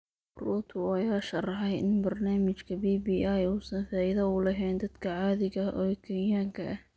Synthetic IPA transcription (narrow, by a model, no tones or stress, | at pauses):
ruːt̪ʰʊɑjaːʃɐrɐɦɐjɪ̰nbɐrnaːmɪt͡ʃkʰɐbiːbiːʔajuːsɐnfaːɪðɐuːlɐɦɛːnd̪ɐd̪kʰɐʕɑːðɪɣɐʔɔːkʰɛnjaːŋkʰɐʔɐh